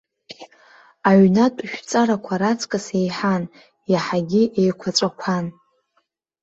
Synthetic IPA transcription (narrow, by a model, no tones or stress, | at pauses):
aɥnatʼʃᶣt͡sʼaɾakʷʰaɾat͡sʰʼkʼasejħan | jaħaɡʲiʔejkʷʰaʈ͡ʂʷʼakʷʰan